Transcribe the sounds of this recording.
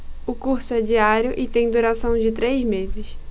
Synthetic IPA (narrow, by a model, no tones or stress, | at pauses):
ʊkuɾsʊɛd͡ʒiaɾjʊʔɪt̪ẽj̃d̪uɾasɐ̃w̃d͡ʒɪt̪ɾejzmezɪs